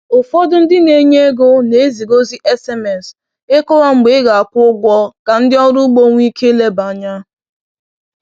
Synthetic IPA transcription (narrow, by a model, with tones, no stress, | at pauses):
ʊ˨fɔ˦dʊ˦n̩˦dɪ˦ne˨˦ɲe˦e˦ɡo˦ne˨˦zi˨ɡo˦zi˦ʔɛ˦se˦mɛ˨s | e˦kʊ˦wa˦ŋ͡m̩˨ɡ͡be˨˦ɪ˦ɡa˨a˨kʷʊ˦ɡʷɔ˦ka˨n̩˦dɪ˦ɔ˦ɾʊ˦ɡ͡bo˦ŋʷ˦i˦kʰe˦le˦ba˨˦ɲa˦